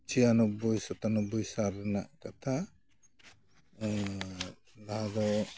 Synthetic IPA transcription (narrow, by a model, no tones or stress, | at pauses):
t͡ʃijanɔbujsɔt̪anɔbujsaɾɛna̰ʔkat̪ʰa | laɦad̪ɔ